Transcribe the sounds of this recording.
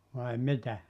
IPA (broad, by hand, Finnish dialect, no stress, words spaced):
ʋɑi mitæ